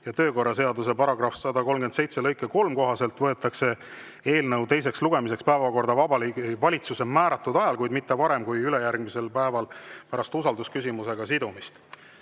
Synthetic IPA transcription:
jɑt̪ø̞ːko̞rːɑs̬e̞ɑd̪us̬e̞pɑɾɑɡrɑfsɑd̪ɑko̞lmɡense̞jt̪selɤ̞jkːˑeko̞lmko̞ɦɑse̞lt̪vɤ̞e̞t̪ːˑɑkse̞ | e̞ːlnɤwt̪e̞js̬e̞ksluɡ̥e̞mis̬e̞kspæevɑko̞rd̪ɑvɑbɑlvɑlʲit̪suse̞mæːɾɑt̪ːˑud̪̥ɑjɑlkujd̪mit̪ːevɑɾe̞mkujylejærɡmise̞lpæevɑlpæɾɑst̪usɑld̪uskysimuse̞ɡ̥ɑsid̪umist̪

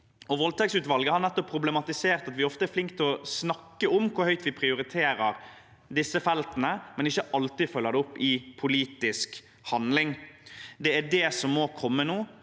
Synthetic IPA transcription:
ɔʋɔlt̪ʰɛksʉːt̪ʋɑlɡəhɑɾnɛt̪ːɔpʰːɾʊblɛmɑt̪ɪseːɾt̪ɑt̪ʋɪɔft̪əɛɾflɪŋkt̪ʰːlɔsnɑkːəʊmkʰʊhœʏt̪ʋɪpʰɾɪʊɾɪt̪ʰeːɾəɾ | d̪ɪsːəfɛlt̪nəmɛnɪçːəʔɑlt̪ɪfœlːəd̪ɛʊpːɪpʰʊliːt̪ɪsk | hɑnd̪lɪŋd̪ɛæɖɛsɔmːoːkʰɔmːənuː

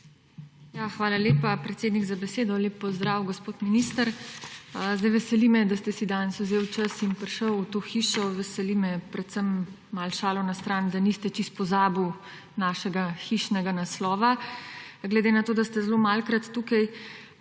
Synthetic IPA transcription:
jaxʋaːlaleːpapɾɛt̪seːd̪niɡzabɛseːd̪ɔleːpːɔzd̪ɾaːwɡɔspoːt̪minist̪əɾ | zd̪ɛjʋɛsɛlimɛd̪ast̪ɛsid̪ansɔzeːwt͡ʃəsinpɾʃəwut̪oːxiːʃɔʋɛsɛlimɛpɾɛt̪səmː | alʃaːlɔnast̪ɾaːnd̪anist̪ɛt͡ʃist̪̚pɔzaːbuw | naːʃɛɡaxiʃnɛɡanaslɔːʋa | ɡlɛd̪eːnat̪oːd̪ast̪ɛzɛlomalkɾat̪ːukaj

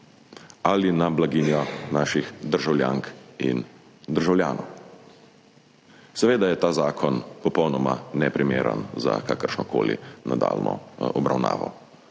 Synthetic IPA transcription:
alinablaɡinjɔnaːʃixd̪əɾʒawljaːŋkin | d̪əɾʒawlja̰ːnʔo̰w | sɛʋeːd̪ajɛt̪aːzaːkʰɔnpɔpɔwnɔmanɛpɾʔimeːɾə̰nza̰kakəɾʃnɔko̰ːlḭnad̪a̰ːlnʔɔ̰ɔbɾawna̰ːʋɔ̰

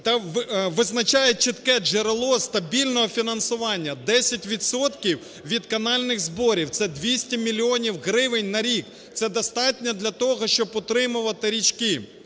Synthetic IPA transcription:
t̪ɐʋʋɪznɐt͡ʃɑjɛt͡ʃɪt̪kɛʒeɾelˠɔst̪ɐbʲilʲnɔɦɔfʲinɐnsʊʋɑnʲːɐd̪ɛsʲɐtʲʋʲid̪sɔt̪kʲiw | ʋʲid̪kɐnɑlʲnɪxzbɔɾʲiwt̪sɛd̪ʋʲisʲtʲimʲilʲiɔnʲiwɦɾɪʋɪnʲnɐɾʲik | t̪sɛd̪ɔst̪ɑtʲnʲɛd̪lʲɐt̪ɔɦɔʃt͡ʃɔb̚pɔt̪ɾɪmʊʋɐt̪ɪɾʲit͡ʃʲkɪ

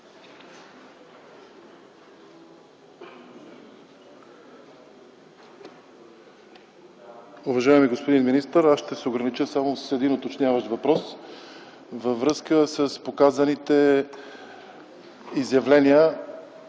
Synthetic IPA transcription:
uvɐʒaɛmiɡospod̪inminist̪əɾasʃt̪ɛsɛoɡɾənit͡ʃəsamossɛd̪inot̪ot͡ʃnʲjavəʃt̪vɐpɾɔs | vəvɾɤskəsəspokazənit̪ɛ | izjɐvlɛniə

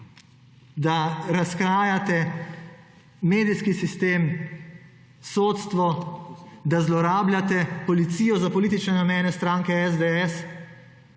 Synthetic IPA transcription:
d̪aɾaskɾaːjat̪ɛ | meːd̪iskisist̪eːm | soːt̪st̪ʋɔ | d̪azlɔɾaːbljʲat̪ɛpɔlit̪siːjɔzapɔliːt̪it͡ʃnɛnamɛːnɛst̪ɾaːŋkɛɛzd̪ɛɛs

